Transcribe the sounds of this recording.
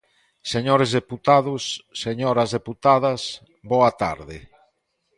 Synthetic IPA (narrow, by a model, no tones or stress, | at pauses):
seɲoɾezðeput̪aðʊsːeɲoɾɐzðeput̪aðɐs | bɔɐt̪a̰ɾðɪ